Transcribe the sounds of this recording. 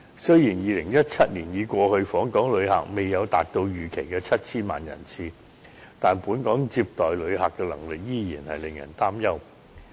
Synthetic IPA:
sɵ˥ɥjiː˨˩njiː˨˧lɪ˨˩ŋjɐ˥t̚t͡sʰɐ˥t̚niː˨˩njiː˨˧kʷɔː˧hɵ˧ɥfɔː˨˥ŋkɔː˨˥ŋlɵ˨˧ɥha̰ː˨k̚me˨˩jːɐ˨˧wt̪a̰ː˨k̚t̪o˧wjyː˨˩kʰe˨˩jkɛː˧t͡sʰɐ˥t̚t͡sʰiː˥nma̰ː˨njɐ̰˨˩nt͡sʰiː˧ | t̪aː˨˩npuː˨˥nkɔː˨˥ŋt͡siː˧p̚t̪ɔː˨˩jlɵ˨˧ɥɦaː˨kːɛː˧lɐ̰˨˩ŋlɪ˨k̚jiː˥jiː˨˩nhɐ̰˨jlɪ˨ŋjɐ̰˨˩nt̪aː˥mjɐ˥w

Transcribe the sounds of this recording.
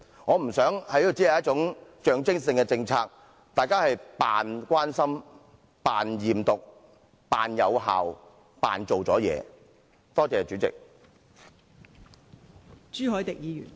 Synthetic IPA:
ŋɔː˨˧m̩˨˩sœː˨˥ŋhɐ˨˥ji˧˥˨t͡siː˨˥ɐ˨˦jɐ˥t̚t͡ʃʊ˨˥ŋt͡ʃœː˨˧ŋt͡sɪ˥ŋsɪ˧ŋkɛ˧t͡sɪ˧ŋt͡sʰaː˧k̚ | t̪aː˨˩jkaː˥hɐ˨jpaː˨nkʷaː˥nsɐ˥m | paː˨njiː˨mt̪ʊ˨k̚ | paː˨njɐ˨˧wɦa̰ː˨w | pa̰ː˨nt͡so˨wt͡sɔː˨˥jɛ̰ː˨˧ | t̪ɔː˥t͡sɛː˨˩t͡ʃyː˨˥t͡sɪ̰˨k̚ | t͡ʃyː˥ɦɔː˨˥jt̪ɪ˨k̚jiː˨˧jy̰˨˩n

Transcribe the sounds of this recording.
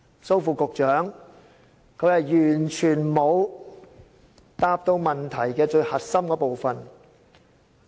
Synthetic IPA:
so˥wfuː˨˩kʊ˨k̚t͡ʃœː˨˥ŋ | kʰɵ˨˧˥hɐ˨˩jjyː˨˩nt͡ʃʰyː˨˩nmo˨˧w | t̪aː˧p̚t̪o˧wmɐ˨nt̪ʰɐ˨˩jkɛː˧t͡ʃɵ˧ɥhɐ˨t̚sɐ˥mkɔː˨˥po˨wfɐ˨n

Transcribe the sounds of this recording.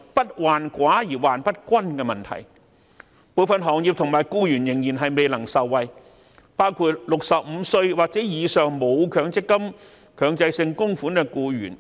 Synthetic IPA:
pɐ˥t̚waː˨nkʷaː˨˥jiː˨˩waː˨npɐ˥t̚kʷɐ˥nkɛː˧mɐ˨nt̪ʰɐ̰˨˩j | puː˧wfɐ˨nɦɔː˨˩ŋjiː˨p̚t̪ʰʊ˨˩ŋmaː˨˩jkuː˧jyː˨˩njɪ˨˩ŋjiː˨˩nɦɐ˨jme˨jlɐ˨˩ŋsɐ˨wːɐ˨j | paː˥wkʰuː˧t̚lʊ˨k̚sɐ˨p̚m̩˨˧sɵ˧ɥwaː˨˩k̚t͡sɛː˨˥jiː˨˧sœː˨ŋmo˨˧wkʰœː˨˧˥ŋt͡sɪ˥kːɐ˥m | kʰœː˨˧ŋt͡sɐ˧jsɪ˧ŋkʊ˥ŋfuː˨˥nkɛː˧kuː˧ɥyː˨˩n

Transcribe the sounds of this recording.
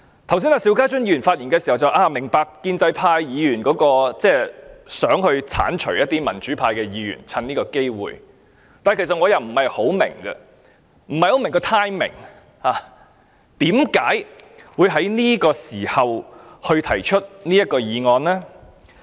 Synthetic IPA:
t̪ʰɐ˨ws̬i˥naː˧˩si˨˥wkaː˥t͡ʃɵ˥njiː˧˥y˨˩nfaː˧t̚jiː˨˩nkɛː˧siː˨˩hɐ˨wt͡sɐ˨wʔaː˧mɪ˨˩ŋpaː˧kːiː˧nt͡sɐ˧˥jpʰaː˧jjiː˨˧jyː˨˩nkɔː˨˥kɔː˧t͡sɛː˥sœː˨˥ŋhɵ˧ɥt͡sʰa̰ː˨˥nt͡ʃʰɵ̰˨˩ɥjɐ˥t̚t̪iː˥mɐ˨˩nt͡ʃyː˨˥pʰaː˧jkɛː˧jiː˨˧ɥy̰˨˩nt͡sʰɐ˧niː˥kɔː˧ke˥jwṵː˨˩j | t̪aː˨n˨jkʰe˨˩sɐ˨t̚ŋɔː˨˧jɐ˨˩wm̩˨˩hɐ˨jho˨˥wmɪ̰˨˩ŋɡɐ̰˧ | m̩˨˩hɐ˨jho˨˧˥wmɪ˨˩ŋkɔː˧t̪ʰaː˥jmɪ̰˨˩ŋ | haː˨˧ | t̪iː˨˥mkaː˨˥jwuː˨˧jɦɐ˨˥jniː˥kɔː˧siː˨˩hɐ˨whɵ˧t̪ʰɐ˨˩jt͡ʃʰɵ˥t̚niː˥jɐ˥t̚kɔː˧jiː˨˧ŋɔː˧nlɛː˥

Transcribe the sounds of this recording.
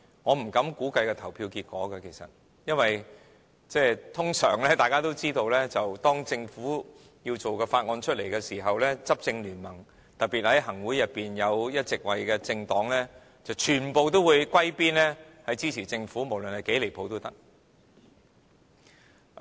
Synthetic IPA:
ŋɔː˨˧m̩˨˩kɐ˨˥mkuː˨˥kɐ˧jkɛː˧t̪ʰɐ˨˩wpʰiː˧wkiː˧t̚kʷɔː˨˥ɡɐ˧kʰe˨˩jsɐ̰˨t̚ | jɐ˥nwɐ˨j | t͡sɛː˥t̪ʰʊ˥ŋsœː˨˩ŋlɛː˥t̪aː˨jkaː˥t̪o˥wt͡siː˥t̪o˧wlɛː˥t͡sɐ˨wt̪ɔː˥ŋt͡sɪ˧ŋfuː˨˥ | ji˧wt͡so˨wkɛː˧faː˧t̚ŋɔː˧nt͡ʃʰɵ˥t̚le˨˩jkɛː˧siː˨˩ɦɐ˨wlɛː˥t͡sɐ˥p̚t͡sɪ˧ŋlyː˨˩nmɐ˨˩ŋ | t̪ɐ˨t̚pːi˨t̚hɐ˨˥jɦɐ˨˩ŋwuː˨˥jɐ˨t̚pːiː˨˩njɐ˨˧wjɐ˥t̚t͡sɪ˨k̚wɐ˨jkɛː˧t͡sɪ˧ŋt̪ɔː˨˥ŋlɛː˥ | t͡sɐ˨wt͡ʃʰyː˨˩npo˨wt̪o˥wuː˨˧jkʷɐ˥jpiː˥nlɛː˥hɐ˨˥jt͡siː˥t͡sʰiː˨˩t͡sɪ˧ŋfuː˨˥mo˨˩wlɵ˨nhɐ˨jke˨˥jle˨˩jpʰo˨˧wt̪o˥wt̪ɐ˥k̚

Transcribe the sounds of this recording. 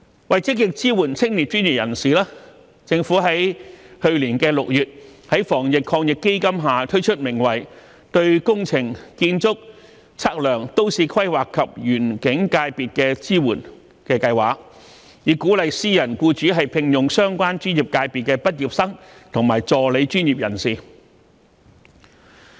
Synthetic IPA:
wɐ˨jt͡sɪ˥k̚jɪ˨k̚t͡siː˥wuː˨˩nt͡sʰɪ˥ŋli˨˩t̚t͡ʃyː˥nji˨˩jɐ˨˩nsiː˨˩laː˥ | t͡sɪ˧ŋfuː˨˥ɦɐ˨˥jhɵ˧ɥliː˨˩nkɛː˧lʊ˨k̚jyː˨t̚hɐ˨˥jfɔː˨˩ŋjɪ˨kʰːɔː˧ŋjɪ˨kːe˥jkɐ˥mɦaː˨t̪ʰɵ˥ɥt͡ʃʰɵ˥t̚mɪ˨˩ŋwɐ˨˩j | t̪ɵ˧ɥkʊ˥ŋt͡sʰɪ˨˩ŋkiː˧nt͡sʊ˥k̚ | t͡sʰaː˥k̚lœː˨˩ŋt̪o˥wsiː˨˧kʰɐ˥jwaː˨˩kʰːɐ˨p̚jyː˨˩nkɪ˨˥ŋkaː˧jpiː˨t̚kɛː˧t͡siː˥wuː˨˩n | kɛː˧kɐ˧jwaː˨˩k̚ | jiː˨˧kuː˨˥lɐ˨jsiː˥jɐ˨˩nkuː˧t͡ʃyː˨˥ɦɐ˨jpʰɪ˧ŋjʊ˨ŋsœː˥ŋkʷwaː˥nt͡ʃyː˥njiː˨˩p̚kaː˧jpi˨t̚kɛː˧pɐ˥t̚jiː˨˩p̚sɐ˥ŋt̪ʰʊ˨˩ŋmaː˨˩jt͡sɔː˨˩le˨˧jt͡ʃyː˥nji˨p̚jɐ̰˨˩nsiː˨˩

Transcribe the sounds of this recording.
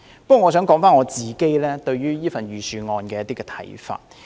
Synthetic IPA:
pə˥kːwɔː˨ŋɔː˨˧sœː˨˥ŋkɔː˨˥ŋfaː˥nŋɔː˨˧t͡siː˨ke˥jlɛː˥t̪ɵ˧ɥɥyː˥jiː˥fɐ˨njyː˨syː˨˧ŋɔː˧nkɛː˧jɐ˥t̪iː˥kɛː˧t̪ʰɐ̰˨˥jfa̰ː˧t̚

